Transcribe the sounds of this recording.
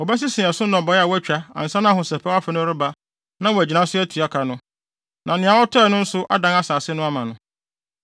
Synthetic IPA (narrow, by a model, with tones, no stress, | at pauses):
ɔ˨bæ˦s̬ɪ˦sɪ̃˨ɛ˨sʊ˦n˦ɔ̃˨bɔ˨ja˨wæ˦t͡ɕᶣa˦a̰˨n̩˨sã˦nã˦a˨hʊ̃˨sɛ˨pʰɛ˦wa˦fɛ˨nʊ̃˦ɾʊ˦ba˦ | nã˦wæ˨d͡ʑi˨nã˦sʊ˦æ˦tʰi˨a˦kʰa˨nʊ̃˦ | nʔã˨nɪ̃˨a˨wɔ˦tʰɔ˦˨nʊ̃˦n̩˦sʊ˦ʔa̰˦dã˨˦ŋa˦saː˨sɪ˦nʊ̃˦a˦mã˨nʊ̃˦